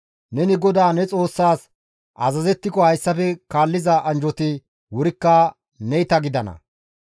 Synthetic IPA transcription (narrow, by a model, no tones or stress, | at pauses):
nɛnɪɡɔd̪aːnɛt͡sʼo̞ːsːaːs | ʔɐzɐzɛt̪ːɪkɔhɐjsːɐpɛkaːlːɪzɐʔɐnd͡ʒɔt̪ɪ | wʊɾɪkːɐ | nɛjt̪ɐɡɪd̪ɐnɐ̰